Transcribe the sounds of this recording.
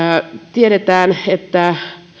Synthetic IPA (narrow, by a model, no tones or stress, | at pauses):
t̪ieɾet̪æːnet̪ːæ